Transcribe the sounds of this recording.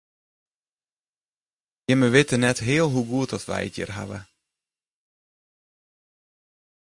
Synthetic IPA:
jɪməʋɪtənɛtɦɪːəlˠɦuɡuət̚dɔtʋɛ̰jətjə̰rɦa̰ʋə̰

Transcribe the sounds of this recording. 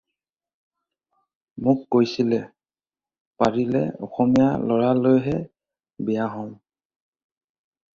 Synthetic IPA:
mʊkːojsilɛ | paɹilɛ̰ɔ̰xɔmijalɔɹalojɦɛ | bɛjaɦɔm

